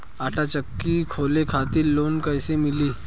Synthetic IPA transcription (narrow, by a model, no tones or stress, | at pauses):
aːʈʰat͡ʃɐkːikʰoːlekʰaːt̪ɪloːnkɐɪsemɪliː